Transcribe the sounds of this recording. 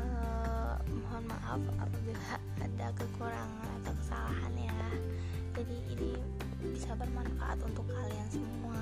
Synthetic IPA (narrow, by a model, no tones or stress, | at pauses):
ə | moɦɔnma̰ʔa̰fa̰pabilaː | dakəkuɾaŋanap̪awkə̥sa̰laha̰nja | d͡ʒadiini | bisabərmanfa̰ʔa̰t̪unt̪ʊkːaliansəmua